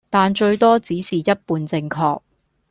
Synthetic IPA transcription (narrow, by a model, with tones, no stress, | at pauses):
t̪aː˨nt͡ʃɵ˧ɥt̪ɔː˥t͡siː˨˥siː˨˩jɐ˥t̚puː˧nt͡sɪ˧ŋkʰɔː˧k̚